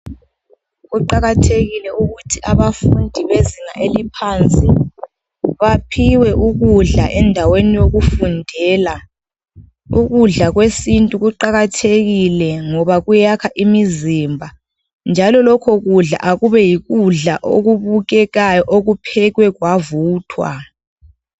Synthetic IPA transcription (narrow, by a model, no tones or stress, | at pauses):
ɣuǃaɣatʰeɣilɛuɣutʰiʔaβafundʱiβeziŋaʔelipʰant͡sʼi | βapʰiwɛʔuɣuɮa̰ʔɛndʱawenijoɣufundʱɛːla | uɣuɮaɣwesintʼuɣuǃaɣatʰeɣilɛŋɔβaɣujakʰaʔimizimbʱa | nd͡ʒʱalɔlɔkʰɔɣuɮa̰ʔaɣuβɛjiɣuɮa̰ʔoɣuβuɣɛɣajɔʔoɣupʰɛɣwɛɣwavuːtʰwa̰